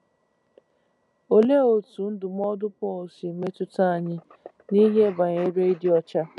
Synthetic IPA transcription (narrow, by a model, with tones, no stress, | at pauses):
o˨le˦o˨tu˨n̩˦dʊ˨m˦ɔ˦dʊ˦pɔ˦o˨si˨me˦tʊ˦ta˦a˨ɲɪ˦ | ni˦ɦe˦ba˨ɲe˦ɾe˦i˦di˨˦ɔ˦t͡ʃa˦